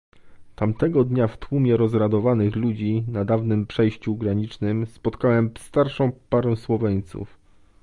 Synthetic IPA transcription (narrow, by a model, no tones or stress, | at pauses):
t̪amt̪ɛɡɔd̪ɲaft̪wumʲjɛɾɔzɾad̪ɔvanɘxlud͡ʑinad̪avnɘmpʂɛjɕt͡ɕuɡɾaɲit͡ʂnɘmspɔt̪kawɛmst̪aɾʂɔ̃w̃paɾɛ̃w̃swɔvɛɲt̪sṵf